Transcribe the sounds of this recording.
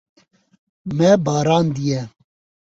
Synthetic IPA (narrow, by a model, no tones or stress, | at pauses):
mɛbaːɾaːnd̪ijɛ